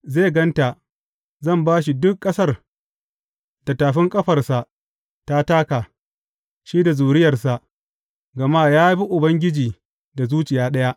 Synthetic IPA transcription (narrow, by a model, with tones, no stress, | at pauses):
zeː˦˨ɡɐ˦nta˨ | zɐ˦˨mbaː˦ʃ̬i˨dʊ˦kʼːɐ˦sɐ˦r | da˨taː˨ɸɪ˦ŋkʼɐ˦ɸɐ˨rsa˨ʔ | ta˦taː˦kaː˨ | ʃiː˦da˨zuː˨ɾɪ˦jɐ˨rsa˨ʔ | ɡɐ˨maː˦jaː˦bi˦ʔʊ˨bɐ˦ŋɡʲɪ˦d͡ʒiː˨ | da˨zuː˦t͡ʃɪ˨jaː˦ɗɐ˦ja˦ʔ